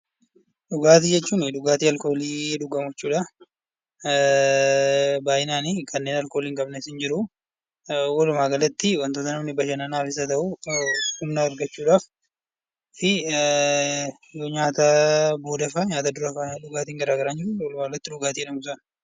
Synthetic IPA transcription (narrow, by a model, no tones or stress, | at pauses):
ᶑʊɡaːt̪iːd͡ʒɛt͡ʃːuːnɪᶑʊɡaːt̪iːɐlko̞ːliːᶑʊɡɐmʊt͡ʃːuːᶑɐ | baːjɪnaːnikʰɐnːeːnɐlko̞ːliːŋkʼɐbnɛsɪnd͡ʒɪɾʊ | wɔlʊmaːɡɐlɐt̪ːɪwɐnt̪oːt̪ɐnɐnɪbɐʃɐnɐnaːfɪs̬ɐt̪ɐʔuhʊmnaːɾɡɐt͡ʃːuːᶑaːf | fɪ | joɲaːt̪ɐbo̞ːd̪ɐfaɲaːt̪ad̪ʊɾɐfaᶑʊɡaːt̪iːŋɡɐɾaːɡɐɾaːnd͡ʒɪɾʊwɔlʊmaːɡɐlɐt̪ːɪᶑʊɡaːt̪iːᶑɐmʊs̬ɐn